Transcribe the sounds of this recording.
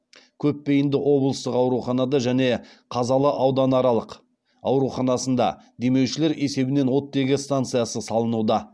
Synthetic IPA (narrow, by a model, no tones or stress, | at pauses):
kʲʰɵpːe̞jɪnd̪ɪʔo̞blˠəst̪əqɑwɾuχɑnɑd̪ɑʒæne̞ | qʰɑzɑlˠəʔɑwd̪ɑnɑɾɑlˠəq | ɑwɾuχɑnɑsənd̪ɑ̰ | d̪e̞me̞wʃɪle̞ɾʔe̞se̞bɪne̞nwo̞t̪̚ːe̞ɡʲɪst̪ant̪sɨjasəsɑlˠənud̪ɑ